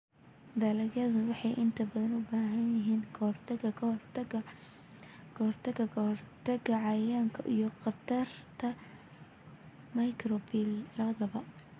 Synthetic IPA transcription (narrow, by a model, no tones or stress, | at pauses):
d̪alɐɣɐðɐwɑħɑjʔɪnt̪ʰɐbɐðɐnʊbaːɦɐnjɪɦiːnkʰrt̪ʰɐɡɐkʰɐhrt̪ɐɡɐ | ɡ̥ɐhrt̪ʰɐɡɐhrt̪ʰɐɡɐʕɑjaːŋkʰɐ̰ʔḭjɔqɑd̪ɐrt̪ʰɐ | mɐjkʰrɔbilːɐβɐðɐβɐ